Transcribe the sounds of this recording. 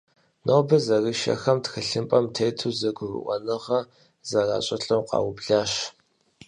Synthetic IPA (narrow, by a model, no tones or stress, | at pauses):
noːbɐzɐrɨʃɐ̰xɐmtxɨɬɨmpʼɐmtʰeːtʰuzɐɡʷʊrɨ̰ʔʷɔ̰nɨʁɐ | zɐra̰ːɕʼɐɬʼɐwqɑ̰ːwʊbɮaːʃ